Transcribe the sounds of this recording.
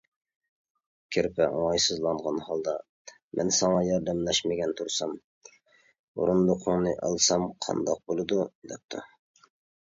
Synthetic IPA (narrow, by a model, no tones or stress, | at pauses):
kʲʰeɾpʰɛoŋɑjsɨzlˠɑɴʁɑnhɑlˠd̪ɑ | mʔɛ̰nsɑŋɑjɑɾd̪ɛmlɛʃmɪɡʲɛnt̪ʰuɾsɑm | ṵɾund̪ʊqʰoŋnɨʔɑ̰lˠsɑmqʰɑ̰nd̪ɑq̚bolˠɨd̪ud̪ɛp̚t̪ʰu